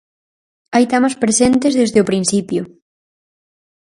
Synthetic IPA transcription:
ajt̪amaspɾesent̪ezðezðeʊpɾinθipjʊ

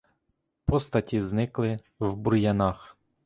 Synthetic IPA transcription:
pɔst̪ɐtʲiznɪklˠɪ | wburjɐnɑx

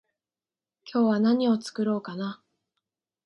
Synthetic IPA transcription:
kʲʰo̞ːβanaɲ̟io̞t͡sɨ̥kɯ̟ɾo̞ːkana

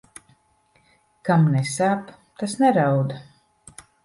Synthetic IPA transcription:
kamnɛsap | t̪asnɛɾawd̪a

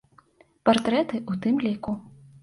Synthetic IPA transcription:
part̪ɾɛt̪ɨʔut̪ɨmlʲiku

